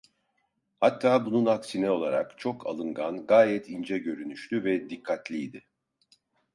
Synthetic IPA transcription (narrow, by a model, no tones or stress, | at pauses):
hat̪ʰːaːbununaksinɛo̞lˠaɾa̰kt͡ʃʰo̞kʰa̰lˠɯŋɡanɡaːjɛt̪ʰind͡ʒɛɟø̞ɾynyʃt̪yvɛd̪ikʰːat̪lʲijd̪ɪ